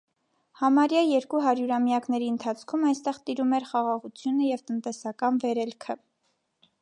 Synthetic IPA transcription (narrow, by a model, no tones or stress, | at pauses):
hɑmɑɾjɑjɛɾkuɦɑɾjuɾɑmjɑknɛɾiənt̪ʰɑt͡sʰkʰumɑjst̪ɛʁt̪iɾumɛɾχɑʁɑʁut͡sʰjunəjɛvt̪ənt̪ɛsɑkɑnvɛɾɛlkʰə